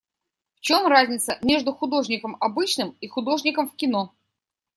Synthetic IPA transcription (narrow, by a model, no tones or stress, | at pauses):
ft͡ɕo̞mrazʲnʲɪt̪səmʲe̞ʐd̪ʊxʊd̪o̞ʐnʲɪkəmɐbɨt͡ɕnɨmixʊd̪o̞ʐnʲɪkəmfkʲɪno